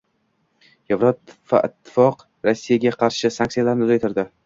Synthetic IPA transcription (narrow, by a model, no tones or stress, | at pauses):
jevɾɒt̪va̰ɪ̰t̪ʰːɪ̥fɒq | ɾasːijaɡʲaqʰɑɾʃɪsank̪̚sijalaɾnɪʊzajt̪ʰɪɾd̪ɪ